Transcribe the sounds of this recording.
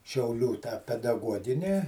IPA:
ʃʲɛʊˈlʲuː tɑː pʲɛdɐˈɡuɔɡʲɪnʲɪ

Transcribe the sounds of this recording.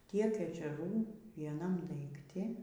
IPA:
ˈtʲiɛk ɛʒʲɛˈruː ʋʲiɛˈnɐm dɐɪkˈtʲɪ

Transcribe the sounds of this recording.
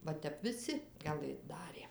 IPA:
ˈʋɐ ˈtʲɛp ʋʲɪˈsʲɪ ɡɐˈlˠɘt ˈdɑːrʲeː

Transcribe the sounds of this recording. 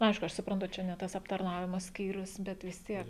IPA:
nʊ ˈɐɪʃkʊ ˈɐʃ sʊprɐnˈtʊ ˈt͡ʃʲɛ nʲɛ ˈtɐs ɐptɐrˈnɑːʋʲɪmoː ˈsʲkʲiːrʲʊs bʲɛt ʋʲɪs ˈtʲiɛk

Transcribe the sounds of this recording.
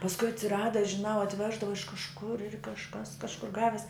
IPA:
pɐsˈkʊɪ ɐtʲsʲɪˈrɑːdɐ ʒʲɪˈnɐʊ ɐtʲˈʋʲæːʒdɐʋɐ ɪʃ kɐʃˈkʊr kɐʃˈkɐs kɐʃˈkʊr ˈɡɑːʋʲɪs

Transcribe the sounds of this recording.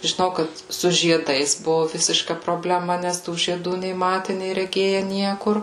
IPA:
ʒʲɪˈnɐʊ ˈkɐt sʊ ʒʲiɛˈdɐɪs ˈbʊʋʊ ˈʋʲɪsʲɪʃkɐ proːbʲlʲɛˈmɐ ˈnʲɛs tuː ʒʲiɛˈduː nʲɛɪ ˈmɑːtʲɛ nʲɛɪ rʲɛˈɡʲeːjɛ ˈnʲiɛkʊr

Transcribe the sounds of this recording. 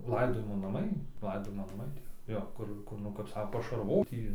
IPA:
ˈlˠɐɪdoːjɪmoː nɐˈmɐɪ ˈlˠɐɪdoːjɪmoː nɐˈmɐɪ ˈtʲiɛ ˈjoː ˈkʊr ˈkʊr nʊ kɐp ˈsɑːkoː pɐʃɐrˈʋoːt ˈjiː

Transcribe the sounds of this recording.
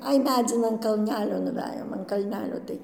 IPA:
ˈɐɪ ˈmʲæːd͡zʲɪn ɐn kɐlʲˈnʲæːlʲoː nʊˈʋʲæːjoːm ɐn kɐlʲˈnʲæːlʲoː tɐɪ

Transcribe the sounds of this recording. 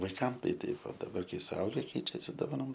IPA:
ʋɐɪˈkɐm ˈtɐɪ ˈtɐɪp oː dɐˈbɐr ˈkɐɪ sʊˈɐʊɡʲɛ ˈkʲɛɪt͡ʃʲɛsʲɪ doːˈʋɑːnoːm

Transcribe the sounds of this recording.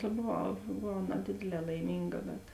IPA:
tɐ boːˈʋɐʊ boːˈʋɐʊ nɐˈdʲeːdʲeːˌlʲɛː lˠɐɪˈmʲiːŋɡɐ bʲɛt

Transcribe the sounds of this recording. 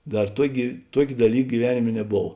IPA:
ˈdɐr ˈtuɔkʲeː ˈtuɔkʲ dɐˈlʲiːk ɡʲiːˈʋʲæːnʲɪmʲeː nʲɛˈboːw

